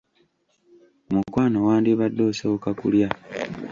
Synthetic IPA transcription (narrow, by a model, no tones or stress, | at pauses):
omukwaːnowaːndiβadːoːsookakṵlja